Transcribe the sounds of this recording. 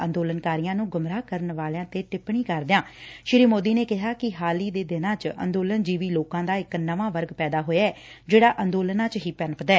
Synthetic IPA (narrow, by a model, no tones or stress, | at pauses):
ənd̪oːlənkaːɾijãːnũːɡʊmɾaːkəɾənʋaːlãːt̪eːʈɪpɳiːkəɾd̪jãːʃɪɾiːmoːd̪iːneːkɪɦaːkɪɦaːliːd̪eːd̪ɪnãːt͡ʃə̰nd̪oːlənd͡ʒiːʋiːloːkãːd̪aːɪknəʋãːʋəɾɡpɛːd̪aːɦoːjaːɛːd͡ʒeːɽaːʔənd̪oːlənãːt͡ʃɦiːpɛnpd̪ɛː